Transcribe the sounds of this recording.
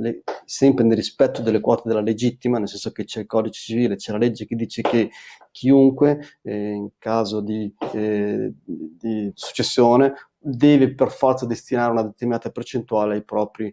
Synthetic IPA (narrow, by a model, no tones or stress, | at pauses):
lesɛmpɾenerːispɛt̪ːod̪elːekwɔːt̪ed̪elːaled͡ʒit̪ːimanelsɛnsok̟et͡ʃɛlkɔːd̪it͡ʃe̥t͡ʃiviːlet͡ʃɛlaled͡ʒːek̟ed̪ːiːt͡ʃeke | kʰːiuŋkweiŋkaːzod̪i | d̪isu̥t͡ʃːesːjoːne | d̪ɛːveperfɔrt̪sad̪est̪inaːɾeunad̪et̪erminaːt̪apert͡ʃent̪uaːleajpɾɔːpɾi